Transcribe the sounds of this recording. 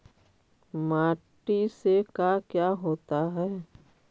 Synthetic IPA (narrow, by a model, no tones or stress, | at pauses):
maːʈisekaːkjaːɦoːt̪aɦɛː